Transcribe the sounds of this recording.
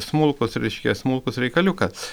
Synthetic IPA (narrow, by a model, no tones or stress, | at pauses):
smʊlˠkʊsɾʲɛɪʃʲkʲɛsmʊlˠkʊsɾʲɛɪkɐlʲʊkɐs